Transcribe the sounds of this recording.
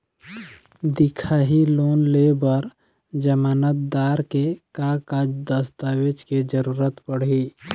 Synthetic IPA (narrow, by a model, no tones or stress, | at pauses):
d̪ɪkʰaːɦiloːnlebəɾ | d͡ʒəmaːnət̪̚d̪aːɾkekakad̪əst̪aːwed͡ʒked͡ʒəɾuːɾət̪pəɽ̤i